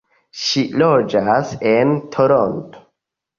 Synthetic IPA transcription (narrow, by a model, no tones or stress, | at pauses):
ʃilod͡ʒasentʰoɾonto̥